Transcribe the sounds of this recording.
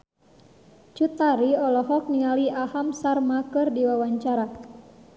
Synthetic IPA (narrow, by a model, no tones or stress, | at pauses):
t͡ʃut̪aɾiɔlɔɦɔk̚niŋaliahamsarmakɨrdiwawaɲt͡ʃaɾa